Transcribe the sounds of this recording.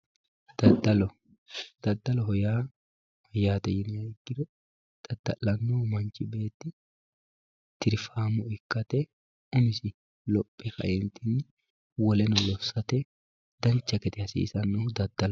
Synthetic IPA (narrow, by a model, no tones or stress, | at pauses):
d̪̥ɐd̪ɐlɔ | d̪̥ɐd̪ːɐlɔɦɔjaː | hɔjaːt̪ɐjɪnɪɐɡːɪɾɔ | d̪̥ɐd̪ːɐ̰lːɐnːoːmɐnt͡ʃɪbe̞ːt̪ːɪ | t̪ɪɾfaːmʊɪkːɐt̪ɛ | ʊmɪsɪ | lɔpʼːɛfɐ̰ʔɛnt̪ɪnːɪ | wɔlɛnɔlɔfsɐt̪ɛ | d̪̥ɐnt͡ʃːɐkɛt̪ɛhɐsḭːsɐnːoːd̪ɐd̪ːɐlɔ